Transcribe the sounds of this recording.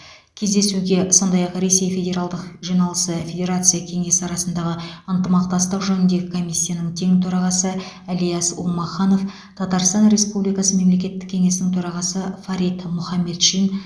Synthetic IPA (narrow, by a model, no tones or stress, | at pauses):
kʲʰezd̪e̞suɡʲe̞so̞nd̪ɑjɑqɾe̞sejfʲe̞dʲe̞ɾalˠd̪əqʒijnɑlˠəsəfʲe̞dʲe̞ɾat̪sɨjakʲʰe̞ŋe̞sɪɑɾɑsənd̪ɑʁəənt̪əmɑq̚t̪ɑst̪əqʒɵnɪnd̪e̞ɡʲɪkʰo̞mijsʲːijanəŋt̪ʰe̞ŋt̪ʰɵɾɑʁɑsə | ælijasṵlˠmɑχɑno̞f | t̪ʰɑt̪ɑɾst̪ɑnɾe̞spublijkɑsəme̞mle̞kʲe̞t̪ːɪ̥kʲʰːe̞ŋe̞sɪnɪŋt̪ʰɵɾɑʁɑsəfɑɾit̪mʊχɑmːe̞t̪ʃin